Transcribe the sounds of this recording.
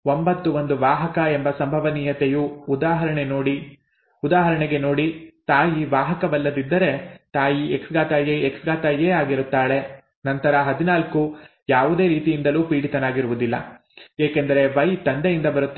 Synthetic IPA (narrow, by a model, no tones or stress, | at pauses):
o̞mbɐt̪ːuʋo̞nd̪uʋaːɦɐkɐembɐsɐmbʱɐʋɐniːjɐt̪ejuːd̪aːɦɐɾɐɳeno̞ːɽi | ud̪aːɦɐɾɐɳeɡe̞no̞ːɽit̪aːjiʋaːɦɐkɐbɐlːɐd̪id̪ːɐɾe̞t̪aːjieksɡaːt̪ɐjeeksɡaːt̪ɐjeːaːɡiɾut̪ːaːɭe̞ | nɐnt̪ɐɾɐɦɐd̪inaːlku | jaːʋud̪e̞ːɾiːt̪ijind̪ɐluːpiːɽit̪ɐnaːɡiɾuʋud̪ilːɐ̰ | eːkend̪ɐɾe̞ʋɐjt̪ɐnd̪ejind̪ɐbɐɾut̪ː